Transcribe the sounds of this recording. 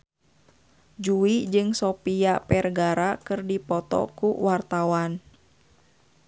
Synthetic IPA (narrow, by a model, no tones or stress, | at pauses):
d͡ʒuid͡ʒɨŋsɔpiapɛrɡaɾakɨrdipɔt̪ɔ̰kuwart̪awan